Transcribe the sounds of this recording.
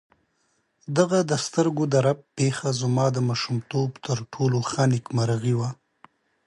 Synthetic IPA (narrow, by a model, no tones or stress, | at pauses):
d̪aɣad̪əst̪əɾɡod̪aɾap̚pexazmɑːd̪əmɑʃumt̪obt̪ʰəɾʈʰoloxanɪkmaɾaɣiwa